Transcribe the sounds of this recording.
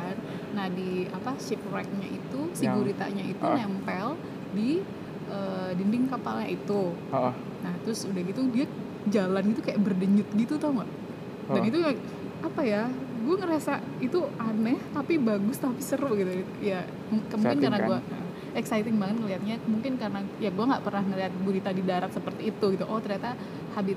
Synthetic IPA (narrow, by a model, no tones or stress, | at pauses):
n | nahdiapaʃɪprɛk̚ɲa̰ʔit̪usiɡuɾit̪a̰ɲaḭt̪unɛmpɛl | di | ʔədindɪŋkapalɲa̰it̪u | naht̪ɾʊsudahɡit̪udia | d͡ʒalanɡit̪ukajaʔbərdəɲʊt̪̚ɡit̪ut̪ɔŋa̰ʔ | danit̪u | ʔapajaɡuaŋəɾasa | it̪uanɛht̪apibaɡʊst̪apisəɾʊʔɡit̪u | ja | əmukɪnkarnaɡua | ɛksajt̪ɪŋbaŋət̪̚ŋəliɦat̪̚ɲamuŋkɪnkarnajaɡuaŋɡaʔpərnahnəɾiat̪̚buɾit̪adidaɾat̪̚səpərt̪iːt̪uɡit̪uʔɔht̪ərɲat̪a | habɪt̪̚